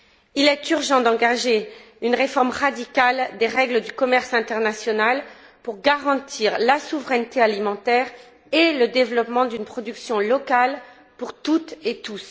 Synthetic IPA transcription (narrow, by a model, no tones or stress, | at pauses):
ilɛt̪yʁʒɑ̃d̪ɑ̃ɡaʒe | ynʁefɔʁmʁad̪ikald̪eʁɛɡləd̪ykɔmɛʁsɛ̃t̪ɛʁnasjɔnal | puʁɡaʁɑ̃t̪ʰiʁlasuvʁɛnt̪ealimɑ̃t̪ɛʁ | eləd̪evlɔpmɑ̃d̪ynpχɔd̪yksjɔ̃lɔkal | puʁt̪ut̪et̪us